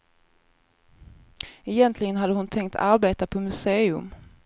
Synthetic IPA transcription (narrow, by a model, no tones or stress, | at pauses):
ɛjɛnt̪ʰlɪɡənɦad̪ːəhʊnt̪ʰɛŋk̚t̪ʰaɾbeːt̪apʰɔmɵseːɵ̰m